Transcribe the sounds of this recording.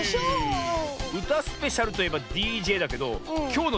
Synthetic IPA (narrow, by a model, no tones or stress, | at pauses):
ɯ̟t̪asɨ̥pe̞ɕaɾɯ̟t̪o̞je̞bad̪ʲiːʑe̞ːd̪ake̞d̪o̞̰kʲo̞ːno